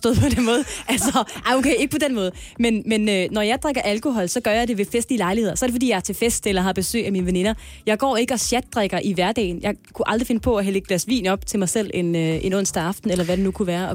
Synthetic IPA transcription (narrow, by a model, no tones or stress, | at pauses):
d̥ɔ̰ːð̩̰ˠpʰɒ̽d̥enmɔ̽ːð̞̩ˠʔælsɒʔɑ̈ɪokʰeɪe̝ɡ̥əpʰɒ̽den̰mɔ̽ːðˠmenmenønɒjɑ̈ɪd̥ʁaɡ̥ɐʔælkʰo̝ɦɒ̽l̰sɒ̽ɡ̥ɶɐjɑ̈ɪd̥e̝ʋe̝fesd̥liːlɑ̈ɪliheð̰ˠɐsɒɐɾefɒdḭjɑæɐt͡sʰe̝fesd̥elɐɦɑ̈b̥e̝sø̰ːæmiːnəʋene̝nɐ | jɑ̈ɪɡ̥ɒ̰ːe̝ɡ̥əɒ̽ɕjæd̥̚ːʁaɡ̥ɐʔiʋæɐd̥ɛ̰ːɪnjɑ̈ɪkʰuʔɑ̈ld̥ʁife̝nəpʰɒ̽ɒɦæleɡ̥̚læsʋḭːnɒ̽b̥t͡sʰe̝lmɑ̈ɪsel̰e̝nøʔe̝nɔ̽n̰sd̥æɑ̈fd̥n̩elɐʋæɾ̥enukʰuʋæːɐɒ̽